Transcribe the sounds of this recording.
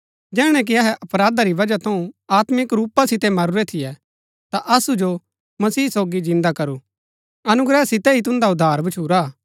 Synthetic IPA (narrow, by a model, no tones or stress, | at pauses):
d͡ʒɛːɽ̃ɛ̃k̬iɐɦɛʔɐpɾaːd̪aɾiʋɐd͡ʒat̪ʰɐ̃ũaːt̪mɪkɾuːpasɪt̪ɛmɐɾʊɾɛt̪ʰɪjɛ | t̪aʔɐsud͡ʒo | mɐsiːsoːɡid͡ʒɪ̃nd̪akɐɾu | ɐnʊɡɾɛsɪt̪ɛɦit̪ʊ̃nd̪aʊd̪ʱːaːɾbɐt͡ʃʰuːɾa